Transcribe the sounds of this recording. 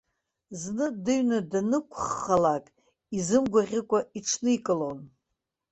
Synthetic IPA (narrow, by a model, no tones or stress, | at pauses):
znɨdɨɥnadanɨkʷʰχːalakʼ | izɨmɡʷaʁʲɪkʷʼaiʈ͡ʂʰnɨikʼɨlon